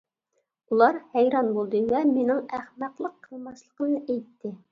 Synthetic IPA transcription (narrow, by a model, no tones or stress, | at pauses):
ulˠɑɾhæjɾɑnbolˠd̪ɨwɛmenɪŋæχmæqlˠəqʰːəlˠmɑʃlˠəqəmnɨʔɛjt̪ːɪ